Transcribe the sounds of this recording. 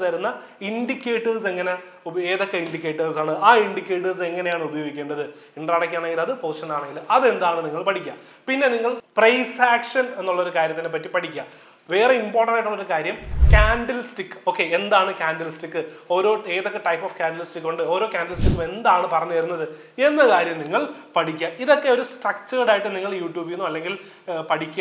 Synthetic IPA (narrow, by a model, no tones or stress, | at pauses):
ðɐjɾunːɐ | iɳɖikʲːe̞ːʈːɐrs̬e̞ŋːɐne | ueːðo̞kːeiɳɖikʲːe̞ːʈːɐrsaːɳɨaːiɳɖikʲːe̞ːʈːɐrs̬eŋːɐne̞jaːɳɨubɐjo̞ːɡikʲːe̞ːɳɖɐðɨ | iɳɖaːɽɐkʲːaːɳe̞ŋɡilɐðɨpoːʂɐnːaːɳe̞ŋɡilɐðe̞nd̪aːɳɨniŋːɐɭpɐʈʰikʲːa | pinːe̞niŋːɐɭprɐjsaːkʂɐne̞nːuɭːɐo̞ɾukaːɾjɐt̪ːinep̬ːɐtːipɐʈʰikʲːa | ʋe̞ːreimpo̞ːrʈɐɳɖaːjiʈːuɭːoɾukaːɾjɐmkʲaːnɖɐlisʈikːɨ̥oːkːe̞end̪aːɳɨkʲaːnɖɐlistikːɨo̞ːɾo̞ːe̞ːðokːeʈɐjpːofkʲaːnɖɐlisʈikːuɳɖɨo̞ːɾo̞ːkʲaːnɖɐlistikːume̞nd̪aːɳɨpɐrɐɲːuʋɐɾunːɐðɨ | e̞nːɐkaːɾjɐmniŋːɐɭpɐʈʰikʲːaʔiðo̞kːe̞oɾusʈrɐk̚t͡ɕːɐɾɽaːjiʈːɨniŋːɐɭjuːʈjuːbinːuɐlːe̞ŋɡil | pɐʈʰikʲːa